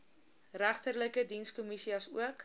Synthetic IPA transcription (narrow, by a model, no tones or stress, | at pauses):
ræχtərləkədinskomisiɐsṵək